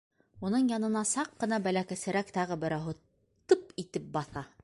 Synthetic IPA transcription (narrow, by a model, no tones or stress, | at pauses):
unɤɴjɑnɤ̆nɑsɑqːɤ̆n̪ɑbælækæsɘ̆ɾækt̪ɑʁɤbɘ̆ɾæwɦɤ | t̪ɤpit̪ɘp̚bɑθɑ